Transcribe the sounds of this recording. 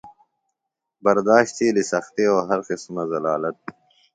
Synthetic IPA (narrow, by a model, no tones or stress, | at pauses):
bɐɾd̪aːʃt̪ʰiːlisɐxt̪eoːɦɐɾqisumɐzɐlaːlɐt̪̚